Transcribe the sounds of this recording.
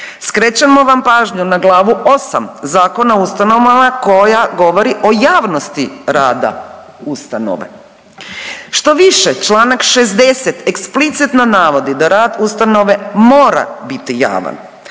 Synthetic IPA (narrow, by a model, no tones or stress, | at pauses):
skɾet͡ɕamo̞ʋampaːʒɲunaɡlˠaːʋuo̞sa̰mzaːko̞naust̪ano̞ʋamako̞jaɡo̞ʋo̞ɾiʔo̞jaːʋno̞st̪iɾaːd̪a̰ | ust̪ano̰ʋe̞̰ | ʃt̪o̞ʋiʃet͡ʃlˠaːnakʃezd̪e̞set̪eksplit̪sit̪nonaːʋo̞d̪id̪aɾaːd̪ust̪ano̞ʋe̞mo̞ːɾa̰bit̪ija̰ːʋa̰n